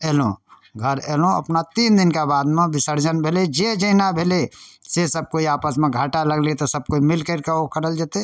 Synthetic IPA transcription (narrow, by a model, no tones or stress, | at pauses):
eːlõ̰ | ɡʱəɾeːlõə̰pnat̪iːnd̪ɪnkabaːd̪mẽbɪsəɾd͡ʒənbʱeːled͡ʒed͡ʒəɪnabʱelesesəb̚koiaːpəsmẽɡʱaːʈaləɡlit̪osəb̚koimɪlkəɾkeokəɾəld͡ʒaːt̪e